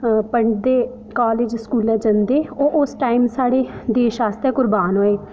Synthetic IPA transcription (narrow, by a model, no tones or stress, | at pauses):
pəɳɖd̪eː | kaːleːd͡ʒskuːlɛ̃ːd͡ʒənd̪eːoːʔʊsʈaːimsaːɽeːd̪eːʃaːst̪ɛːkʊɾbaːnɦoːeː